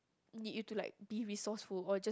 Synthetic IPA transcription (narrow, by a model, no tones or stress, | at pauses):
nid̚jutulaɪk̚b̥iɹisɔsfulɔd͡ʒa